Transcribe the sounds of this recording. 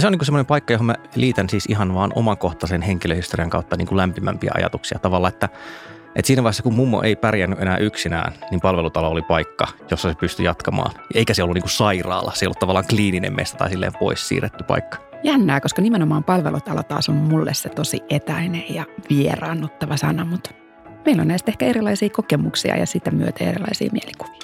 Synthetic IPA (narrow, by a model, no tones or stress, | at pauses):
seoniːŋkusemːonempɑikːɑjohomæliːt̪ænsiːsiɦɑnʋɑːnʔo̰mɑŋkoht̪ɑsenheŋkiløhist̪oriɑŋkɑut̪ːɑniːŋkulæmpimæmpiæ̰ʔɑ̰jɑ̰t̪uksiɑt̪ɑʋɑlːɑet̪ːæ | ʔḛt̪siːnæʋɑihesːɑkummumːo̰ʔeipærjænːyʔenæːʔyksinæ̰ːnnimpɑlʋelut̪ɑloolipɑikːɑjosːɑsepyst̪yjɑt̪kɑmɑ̰ːnjɑʔeikæseolːunːiːŋkusɑirɑ̰ːlːɑseijo̰lːut̪ɑʋɑlːˑɑːŋkliːninḛmmḛst̪æt̪ɑisilːḛːmpo̰issḭːret̪ːypɑ̰ikːɑ̥jænːæːkoskɑnimenomɑːmpɑlʋḛlut̪ɑlo̰t̪ɑ̰ːsommulːḛsset̪osiet̪æinejjɑʋiḛrɑːnːut̪ːɑʋɑsɑ̰nɑmut̪ | meilo̰nnæist̪ehkæeɾilɑisiːkokemuksḭɑ̰jɑ̰sit̪æmyø̰t̪ḛːerilɑ̰isḭːmieliku̥ʋi̥ː